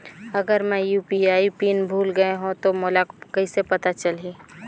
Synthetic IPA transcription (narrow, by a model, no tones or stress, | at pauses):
ɐɡəɾmɛ̃juːpiaːipiːnbʱuːlɡɐeɦũt̪omolakkɐisepɐt̪at͡ʃɐliː